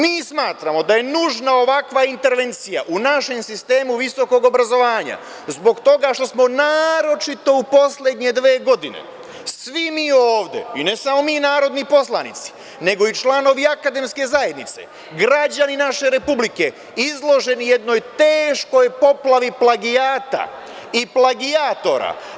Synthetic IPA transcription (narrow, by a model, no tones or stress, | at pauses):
miːsmaːt̪ɾamo̞d̪aje̞nuʒnao̞ʋakʋaint̪e̞ɾʋe̞nt̪sija̰ʔunaʃe̞msist̪e̞ːmuʋiso̞ko̞ɡo̞bɾazo̞ʋaːɲa̰ | zbo̞ɡt̪o̞ɡaʃt̪o̞smo̞naːɾo̞t͡ʃit̪o̞upo̞sle̞d̪ɲe̞d̪ʋeːɡo̞d̪ine̞̰ | sʋimiːoːʋd̪e̞̰ine̞samo̞miːnaːɾo̞d̪nipo̞slˠanḭt̪si̥ | ne̞ɡo̞it͡ʃlˠaːno̞ʋiakad̪e̞mske̞zaje̞d̪nit̪se̞̰ | ɡɾad͡ʑaninaʃe̞ɾe̞publike̞ | izlˠo̞ʒe̞nije̞d̪no̞jt̪e̞ːʃko̞jpo̞plˠaʋiplˠaɡiaːt̪a̰ | iplˠaɡiat̪o̞ɾa̰